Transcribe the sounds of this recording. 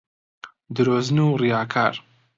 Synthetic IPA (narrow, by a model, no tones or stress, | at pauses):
d̪ɨɾoːznuːrijaːkʰa̰ːɾ